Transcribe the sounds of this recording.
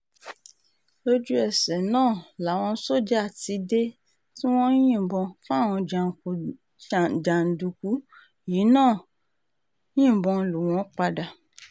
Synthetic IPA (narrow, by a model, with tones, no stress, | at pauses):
lo˦d͡ʒu˦ɛ˦˨sɛ˨nãː˦˨la˨˦w̃ɔ̃˧˦so˦˨d͡ʒe˦a˦˨ti˧de˦ | tĩ˦w̃ɔ̃˦jĩ˦˨bɔ̃˧fa˦˨w̃ɔ̃˧d͡ʒa˨ku˨ | d͡ʒa˨n̩˨du˨ku˨˦ | ji˨˦nãː˦˨˦ | ĩ˦˨bɔ̃˧˨lu˨w̃ɔ̃˨˦k͡pa˧da˧˨